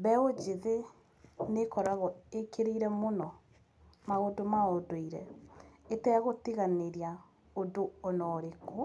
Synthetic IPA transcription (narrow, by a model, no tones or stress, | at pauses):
βɛod͡ʒeðe | nekɔɾaɣɔekeɾeiɾɛmonɔ | maɣodomaodoiɾɛ̰etɛɣotiɣaneɾia | odoɔnɔːɾeko